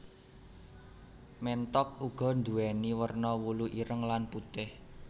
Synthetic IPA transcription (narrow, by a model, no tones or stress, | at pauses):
mɛnt̪ɔk̚uɡ̥ɔ̤nd̪uɛniwərnɔwuluʔiɾəŋlanput̪ɪh